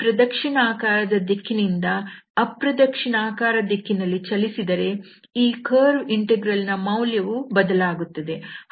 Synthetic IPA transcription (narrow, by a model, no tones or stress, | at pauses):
pɾɐd̪ɐkʂiɳaːkaːɾɐd̪ɐd̪ekʰːinind̪ɐː | pɾɐd̪ɐkʂiɳaːkaːɾɐd̪ekʰːinɐlːit͡ʃɐlisid̪ɐɾe̞ | iːkʰɐːɾʋiɳʈeɡɾɐlnɐmɐwljɐʋubɐd̪ɐlaːɡut̪ːɐd̪e̞